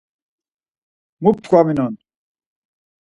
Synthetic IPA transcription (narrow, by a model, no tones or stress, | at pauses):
mup̚t̪ʰkʰʷaminɔn